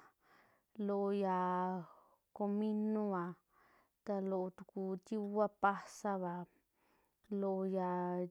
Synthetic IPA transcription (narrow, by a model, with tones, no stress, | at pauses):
lo˧ja˨ | ko˧mĩ˦nũ˦a˨ | t̪a˧lo˧ʔt̪u˧ku˧t̪i˦a˦pa˦sa˦βa˨ | lo˧ja˧˨